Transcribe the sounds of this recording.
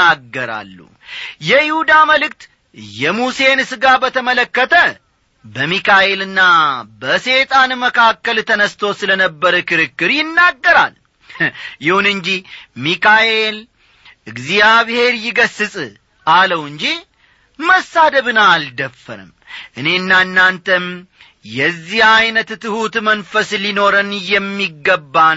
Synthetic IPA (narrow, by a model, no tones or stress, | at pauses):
aɡːəɾa̰lːṵ | jɛjɪhud̪aməlɨkt̪ | jɛmuse̞nɨsɨɡabət̪ʰəmələkːət̪ʰə | bəmikaʔe̞lɨnːabəse̞t̪ʼanməkʰakːəlt̪ʰənəst̪ʰo̞sɨlənəbːəɾəkɨɾɨkːɨɾjɪnːaɡːəɾa̰l | jɪhunɨɲd͡ʒimikaʔe̞l | ɨɡzijaβhe̞ɾjɪɡəsːɨsʼ | aləwɨɲd͡ʒi | məsːad̪əβɨnald̪əfːə̰ɾɨ̰m | ʔɨne̞ɨnːanːant̪ʰəm | jɛzːihajnət̪t̪ɨhut̪mənfəslino̞ɾənjɛmːiɡːəbːa